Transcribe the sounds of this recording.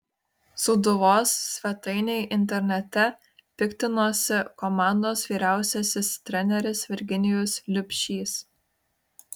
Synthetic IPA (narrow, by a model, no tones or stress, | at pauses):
sʊd̪ʊʋoːsːʲʋʲɛt̪ɐɪnʲeɪʔɪnʲt̪ʲɛɾʲnʲɛt̪ʲɛ | pʲɪkʲt̪ʲɪnoːsʲɪkɔmɑˑnd̪oːsʋʲiːɾʲæˑʊsʲɛsʲɪst̪ʲɾʲɛnʲɛɾʲɪsʋʲɛɾʲɡʲɪnʲɪjoslʲʊpʲʃʲiːs